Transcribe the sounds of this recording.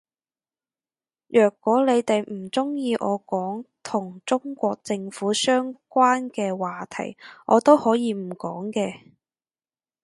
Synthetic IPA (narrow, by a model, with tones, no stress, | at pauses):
jœː˨˩kːwɔː˨˥le˨˧jt̪e˨jm̩˨˩t͡sʊ˥ŋjiː˧ʔɔː˨˧kɔː˨˥ŋt̪ʰʊ˨˩ŋt͡sʊ˥ŋkʷɔː˧k̚t͡sɪ˧ŋfuː˨˥sœː˥ŋkʷaː˥nkɛː˧waː˨t̪ʰɐ̰˨˩jʔɔː˨˧t̪o˥whɔː˨˥jiː˨˧m̩˨˩kɔː˨˥ŋkɛː˧